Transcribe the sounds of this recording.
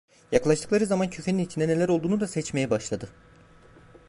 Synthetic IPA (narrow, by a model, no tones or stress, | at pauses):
jaklˠaʃt̪ʰɯklˠaɾɯzamancʰøcʰʲeninit̪ʰinɛnelʲæɾo̞lˠd̪uːnud̪asɛt͡ʃme̞jɛbaʃlˠad̪ɯ